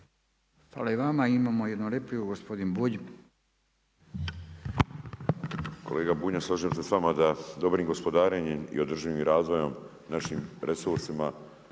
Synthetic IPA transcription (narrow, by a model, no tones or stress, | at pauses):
xfa̰laiʋamaimamojed̪noleplijuɡospod̪inbuʎi | kʰo̞̰le̞ːɡabuɲaslˠaʒiemsesʋamad̪ad̪o̞bɾimɡo̞spo̞d̪aːɾeɲemḭo̞d̪r̩ʒiʋimɾaːzʋo̞jo̞m | naʃimɾʔesuɾsima